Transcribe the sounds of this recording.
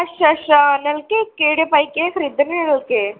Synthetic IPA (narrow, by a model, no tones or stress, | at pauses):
ɐʃɐʃnɐlkekeːɽepɐjkekɾid̪ɐnenɐlke